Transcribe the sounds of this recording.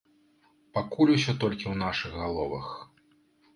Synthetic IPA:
pakulʲusʲɔt̪ɔlʲkʲiwnaʂɨɣɣalˠɔvɐ̰x

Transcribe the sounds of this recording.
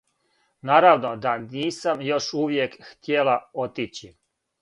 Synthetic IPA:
naːɾaʋno̞d̪aniːsamjo̞ʃuʋjekxt̪jelao̞t̪it͡ɕi

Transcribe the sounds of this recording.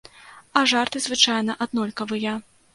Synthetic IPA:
ɐʐart̪ɨzvɨt͡ʂajnɐʔad̪nɔlʲkɐvɨjɐ

